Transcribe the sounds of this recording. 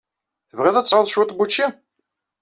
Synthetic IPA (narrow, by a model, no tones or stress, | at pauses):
θəvʁɪðˤæt͡sːʕʊðˤʃwʊt̪ːˤbut͡ʃːi